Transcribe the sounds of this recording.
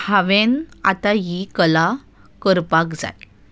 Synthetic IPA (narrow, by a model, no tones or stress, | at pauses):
haʋena̰t̪aɦikəla | kəɾpakd͡za̰j